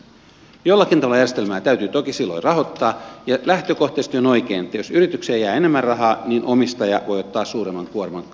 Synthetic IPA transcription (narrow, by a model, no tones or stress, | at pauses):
jolːɑkint̪ɑʋɑlːɑjærjest̪elmæːt̪æyt̪yt̪okisilːo̰irɑɦo̞t̪ːɑːjɑlæht̪øko̞ht̪eːst̪jonoikeːnet̪ːæjosyɾit̪ykseːjæːene̞mːærrɑɦɑːniːnʔomist̪ɑjɑ̰ʋo̞jot̪ːɑːssuːɾemːɑŋkuormɑŋ